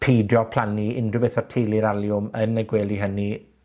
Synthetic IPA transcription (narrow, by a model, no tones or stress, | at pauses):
pʰejdjɔpʰl̥ˠaniɪndʊbeθɔr̥tʰejliɾalˠjʊmənːɛɡweːlˠiɦəni